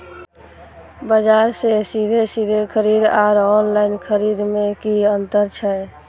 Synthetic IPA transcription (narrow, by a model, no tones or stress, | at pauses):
bəd͡ʒaːɾsesid̪ʱesid̪ʱekʰəɾid̪aːɾɔnlaɪnkʰəɾid̪mẽkiənt̪əɾt͡ʃʰɛ